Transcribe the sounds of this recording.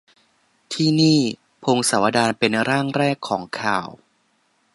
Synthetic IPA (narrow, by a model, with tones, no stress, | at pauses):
t̪ʰiː˥˩niː˥˩ | pʰoː˧ŋsa˩˦wa˧daː˧npe˧nɾaː˥˩ŋɾɛː˥˩kʰːɔː˩˦ŋkʰaː˨˩w